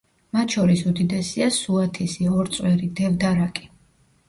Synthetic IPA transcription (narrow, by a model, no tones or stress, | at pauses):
mat̪ʃɔɾisud̪id̪ɛsiasuat̪ʰisiɔɾt̪sʼwɛɾid̪ɛvd̪aɾakʼi̥